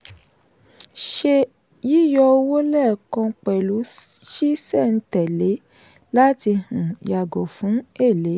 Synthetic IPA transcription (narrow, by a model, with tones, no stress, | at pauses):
ʃe˧ | ji˦jɔ˧o˧wo˦lɛ˦˨kã˧k͡pɛ˨lu˨˦ʃi˦sɛ˦˨n̩˦tɛ˨le˨˦ | la˦ti˧hũ˨ja˨ɡo˨fũ˨˦e˦˨le˨˦